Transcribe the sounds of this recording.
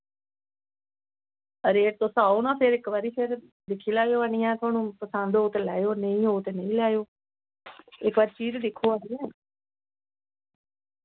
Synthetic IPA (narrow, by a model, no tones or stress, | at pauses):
əɾeːʈ̚t̪õːsaːoːnãːpʰɪɾɪkʋaːɾiːpʰɪɾ | d̪ɪkʰːiːlaːjoːaːnijɛ̃ːt̪ʊaːnũːpəsə̃nd̪ɦoːt̪eːlɛːjoːnəĩːɦoːt̪eːnə̃ĩːlaːjoː | ɪkʋaːɾiːt͡ʃiːzd̪ɪkʰːoːaːɽiːɛ̃ː